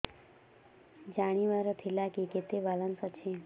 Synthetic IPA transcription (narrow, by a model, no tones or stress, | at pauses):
d͡ʒaɽ̃iʋaɾot̪ʰilakiket̪ebalənsɔt͡ʃʰe